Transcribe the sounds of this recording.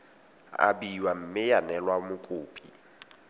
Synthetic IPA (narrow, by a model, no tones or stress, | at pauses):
a̰biwam̩mɪjanɛlwamʊkʼʊːpʼi